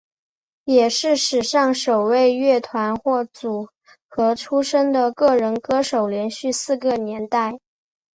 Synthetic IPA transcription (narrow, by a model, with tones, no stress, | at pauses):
jɛ˨˩ʂɻ̩˥˩ʂɻ̩˨˩ʂɑ˥˩ŋʂo˨˩ʊwe˥˧ɪɥɛ˥˩t̪ʰwa˧˥nxwɔ˥˩t͡su˨˩˦ | xɤ˧˥ʈ͡ʂʰu˥ʂɤ˥ŋd̪ə˨kɤ˥˩ɻə˧˥nkɤ˥ʂo˨˩ʊljɛ˧˥nɕy˥˧sɹ̩˥˧kə˧˩njɛ˧˥nt̪a˥˩ɪ